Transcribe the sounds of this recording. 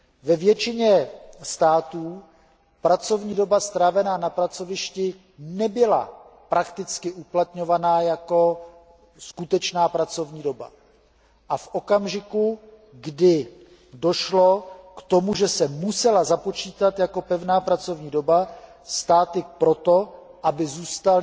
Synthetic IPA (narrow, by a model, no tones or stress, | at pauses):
vɛvjɛt͡ʃɪɲɛst̪aːt̪uː | pɾat͡so̞vɲiːdo̞bast̪ɾaːvɛnaːnapɾat͡so̞vɪʃcɪ | nɛbɪla̰pɾakt̪ɪt͡skɪʔuplat̪ɲo̞vanaːjako̞ | skut̪ɛt͡ʃnaːpɾat͡so̞vɲiːdo̞ba̰ | ʔafʔo̞kamʒɪku | ɡdɪ | do̞ʃlo̞kt̪o̞muʒɛsɛmusɛlazapo̞t͡ʃiːt̪at̪jako̞pɛvnaːpɾat͡so̞vɲiːdo̞ba | st̪aːt̪ɪpɾo̞t̪o̞ʔabɪzuːst̪al